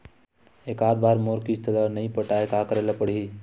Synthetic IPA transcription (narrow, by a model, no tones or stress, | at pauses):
ekad̪baɾmoɾkist̪ələnəjpəʈaekakəɾeləpəɽ̤ɦi